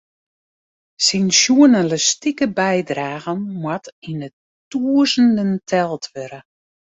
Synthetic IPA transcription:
sinsjuənələstikəbɛjdraːɣənmwatinə | tuəzəndəntʰɛlˠtʰʋøɾə

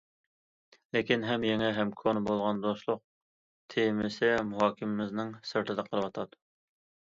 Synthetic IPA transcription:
lekʲinɦɛmjɛŋɛɦɛmkʰonɨbolˠʁɑnd̪oʃlˠʊq̚ | t̪ʰemɪsɪmuɦɑːkʲʰɪmɪmɪznɪŋsɨɾt̪ʰɨd̪ɛqʰəɾˠɨwɑt̪ʰɑd̪u

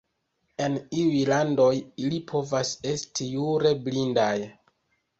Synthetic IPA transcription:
e̞niujlando̞jilipʰo̞vase̞stʰijuɾe̞blindaj

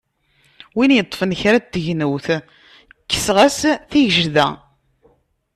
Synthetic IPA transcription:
winjət̪ˤːfənçɾæt̪ːəʝnəwθ | kːə̥sʁæsθiʝəʒðæ̰

